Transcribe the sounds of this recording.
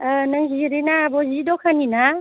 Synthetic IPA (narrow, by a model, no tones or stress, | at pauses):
naŋziɾenabɔzidɔkʰanina